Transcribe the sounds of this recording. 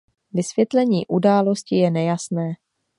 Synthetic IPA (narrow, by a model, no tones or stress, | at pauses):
vɪsvjɛt̪lɛɲḭːʔudaːlo̞scɪjɛnɛjasnɛː